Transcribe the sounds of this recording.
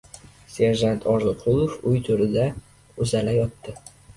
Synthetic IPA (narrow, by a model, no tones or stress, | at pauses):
se̞ɾʒant̪ʰɒɾzɨqʰʊlˠofʊjt̪ʰʊɾɪd̪a | ʊzalajɒt̪ːɪ